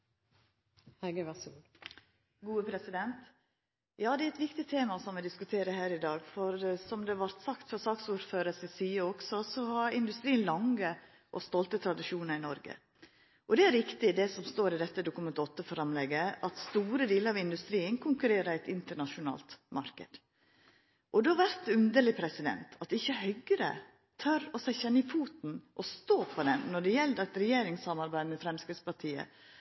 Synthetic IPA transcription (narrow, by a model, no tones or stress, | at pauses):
hæɡəʋɑsuː | ɡuːəpʰɾɛsɪd̪ɛnt̪ | jɑːd̪ɛæɾɛt̪ʋɪkt̪ɪt̪ʰeːmɑsɔmʋɪd̪ɪskʉt̪ʰeːɾəhæːɾɪd̪ɑːɡfɔɾsɔmd̪ɛʋɑɾt̪sɑkt̪fɔɾsɑːksuːɾføːɾəsɪsyːəɔksɔsɔhɑɾɪnd̪ʉst̪ɾiːənlɑŋə | ʔɔst̪ɔlt̪ət̪ʰɾɑd̪ɪʃuːnəɾɪnɔɾɡə̰ | ʔɔd̪ɛæɾʋɪkt̪ɪd̪ɛsɔmst̪oːɾɪd̪ɛt̪ːəd̪ʊkʉmɛnt̪əɔt̪ːəfɔɾɑmlɛɡːəʔɑt̪st̪uːɾəd̪iːləɾɑʋɪnd̪ʉst̪ɾiːənkʰʊŋkʉɾeːɾəɾæɪt̪ɪnt̪əɳɑʂʊnɑ̰ːlt̪mɑɾkə̰d̪̥ | ʔɔd̪ɛʋæɾt̪ʉnd̪əɭɪpʰɾɛsɪd̪ɛ̰nt̪ʰɑt̪ɪçːəɦœɡəɾə̰ | t̪ʰœɾɔsæɪçɛnːəɪfuːt̪n̩ʔɔst̪oːpʰɔd̪ɛnːɔɖɛjɛlːdæt̪ɾɛjeːɾɪŋsɑmɑɾbæɪd̪mɛfɾɛmskɾɪd̪spʰɑʈʰiːə̰